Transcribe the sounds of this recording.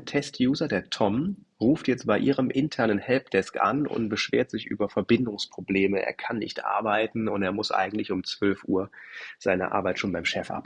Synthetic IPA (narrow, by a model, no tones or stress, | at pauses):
tʰɛstʰjuːzɐdeːɐtʰɔm | ʁuːftjɛt͡stb̥aɪʔiːʁəmʔɪntʰɛɐnənhɛlp̚d̥ɛskʔa̰nʊ̰ntb̥əʃv̥ḛːɐtz̥ɪçʔy̰ːbɐfɛɐbɪndʊŋspʁ̥obleːməḛːɐkʰanːɪ̰çtʔa̰ɐbaɪtn̩ʊnteːɐmʊsʔa̰ɪɡŋ̩tlɪçʊmt͡sv̥œlfʔuːɐz̥aɪnə̰ʔa̰ɐbaɪtʃoːnbaɪmʃɛfʔa̰p